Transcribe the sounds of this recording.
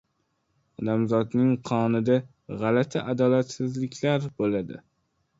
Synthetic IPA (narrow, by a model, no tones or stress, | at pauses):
ɒd̪amzɒd̪nɪŋqʰɒnɪd̪a | ʁalat̪ʰaʔad̪ɒlat̪sɪzlɪkʲlaɾbolad̪ɪ̰